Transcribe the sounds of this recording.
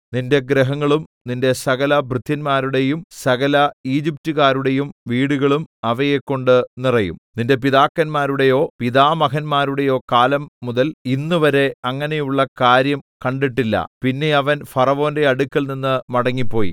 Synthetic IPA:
ninde̞ɡɾɐɦɐŋːɐɭumninde̞sɐɣɐlɐbʱrɨd̪ʱːɐnmaːɾuɽe̞jumsɐɣɐlɐiːd͡ʑiptuɣaːɾuɽe̞jumʋiːɽuɣɐɭumɐʋɐjekːo̞ɳɖɨnirɐjṵmninde̞p̬iðaːkːɐnmaːɾuɽe̞jo̞ːpiðaːmɐkɐnmaːɾuɽe̞jo̞ːkaːlɐmːuðɐlinːuʋɐɾe̞ɐŋːɐne̞juɭːɐkaːɾjɐmkɐɳɖiʈːilːɐ̰pinːe̞ɐʋɐnfɐrɐʋo̞ːnde̞ɐɽukʲːɐɭninːɨmɐɽɐŋːipːo̞ːjḭ

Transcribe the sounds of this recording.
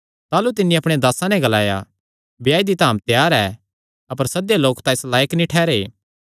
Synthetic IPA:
t̪aːlut̪ɪnːiɐpɽ̃ed̪aːsãnɛ̃ɡɐlaːja̰ | bjaːid̪it̪aːmt̪jaːɾɛː | ɐpəɾsɐd̪jaloːkt̪ãɪslaːjəknĩʈʰɛːɾeː

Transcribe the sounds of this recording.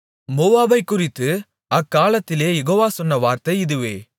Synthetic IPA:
moːaːbɐɪkːʊrɪt̪ːɯ | ɐkːaːlɐt̪ːɪleːjɛɣoːʋaːsɔnːɐʋaːɾt̪ɐɪɪðɯʋeː

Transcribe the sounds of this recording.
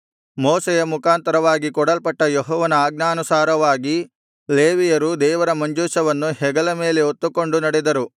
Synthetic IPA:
moːsejɐmukaːnt̪ɐɾɐʋaːɡikɔɽɐlpɐʈːɐjɔɦɔːʋɐnɐaːɡnaːnusaːɾɐʋaːɡi | leːʋijɐɾud̪ɛːʋɐɾɐmɐɲd͡ʒuːʃɐʋɐnːuɦɛɡɐlɐme̞ːleot̪ːuko̞ɳɖunɐɽɛd̪ɐɾu

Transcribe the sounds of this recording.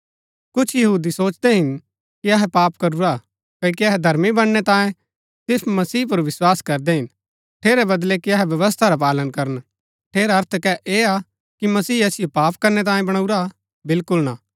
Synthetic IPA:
kʊt͡ʃʰjɐɦuːd̪isoːt͡ʃd̪ɛɦɪn | kiɐɦɛpaːpkɐɾuɾa | kɐk̬iɐɦɛd̪ʱɐɾmibɐɽːɛt̪ãːjẽ | sɪfmɐsiːp̬ɐɾʋɪswaːskɐɾd̪ɛɦɪn | ʈʰeːɾebɐd̪lɛkiɐɦɛʋjɐʋəs̬t̪ʰaɾap̬aːlənkɐɾən | ʈʰeːɾɐɾt̪ʰkɛʔeːa | kimɐsiːɐsɪjopaːpkɐɾnɛt̪ãːjẽbɐɽ̃auɾa | bɪlkʊlna

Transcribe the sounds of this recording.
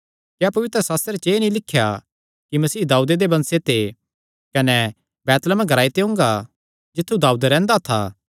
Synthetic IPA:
kjapɐʋɪt̪ɾəsaːst̪ɾet͡ʃeːnĩlɪkʰːja | kimɐsiːd̪aːuːd̪ed̪ebɐ̃nset̪e | kɐnɛ | bɛːt̪ləmɛɡʱɐɾaːit̪eɦʊ̃ːŋɡa | d͡ʒɪt̪ʰːud̪aːuːd̪ɾɛ̃ːnd̪at̪ʰa̰ː

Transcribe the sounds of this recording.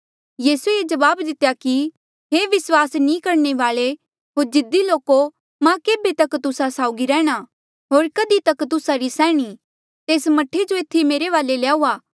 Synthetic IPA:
jiːsueːd͡ʒɐʋaːbd̪ɪt̪ejaki | ɦeːʋɪswaːsnĩkɐɾneʋaːɭe | ɦoːɾd͡ʒɪd̪ːiloːko | mãkeːbet̪ɐkt̪ʊsasaːʊɡiɾɛːɽ̃a | ɦoːɾkɐd̪it̪ɐkt̪ʊsaɾisɛ̃ːɽ̃i | t̪eːsmɐʈʰːed͡ʒoet̪ʰːimeːɾeʋaːlelaːuːaː

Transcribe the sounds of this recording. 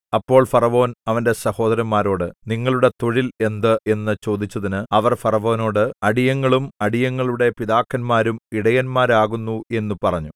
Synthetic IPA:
ɐpːo̞ːɭfɐrɐʋo̞ːnɐʋɐnde̞sɐho̞ːd̪ɐɾɐmmːaːɾo̞ːɽɨniŋːɐɭuɽe̞t̪oɻile̞nd̪ɨe̞nːɨt͡ɕo̞ːd̪it͡ɕːɐðinɨɐʋɐrfɐrɐʋo̞ːno̞ːɽɨɐɽijɐŋːɐɭumɐɽijɐŋːɐɭuɽe̞piðaːkːɐnmaːɾumiɽɐjɐnmaːɾaːɣunːue̞nːupɐrɐɲːu

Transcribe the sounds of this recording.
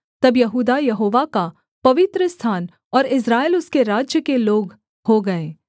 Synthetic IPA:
t̪ɐbjɐɦuːd̪ajɐɦoːʋaka | pɐʋɪt̪ɾəst̪ʰaːn | ɔːɾɪs̬ɾaːelʊskeɾaːd͡ʒjəkeloːɡ | hoɡɐeː

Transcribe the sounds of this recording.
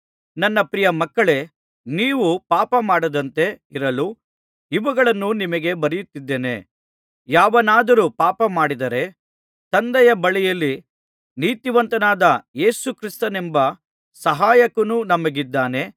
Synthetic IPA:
nɐnːɐpɾijɐmɐkːɐɭe̞ | niːʋupaːpɐmaːɽɐd̪ɐnt̪e̞iɾɐlu | iʋɐɡɐɭɐnːunimɐɡe̞bɐɾijut̪ːid̪ːeːne̞̰ | jaːʋɐnaːd̪ɐɾupaːpɐmaːɽid̪ɐɾe̞ | t̪ɐnd̪ɐjɐbɐɭijɐlːi | niːt̪iʋɐnt̪ɐnaːd̪ɐe̞ːsukɾist̪ɐnembɐ | sɐɦaːjɐkɐnunɐmɐɡid̪ːaːne̞

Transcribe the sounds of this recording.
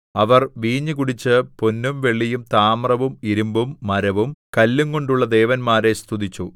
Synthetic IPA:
ɐʋɐrʋiːɲːɨkuɽit͡ɕːɨponːumʋe̞ɭːijumt̪aːmrɐʋumiɾumbumːɐɾɐʋumkɐlːuŋko̞ɳɖuɭːɐd̪e̞ːʋɐnmaːɾe̞st̪ʰud̪it͡ɕːu

